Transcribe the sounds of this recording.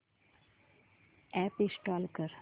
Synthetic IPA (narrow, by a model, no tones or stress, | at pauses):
ɛːpisʈɔːlkəɾ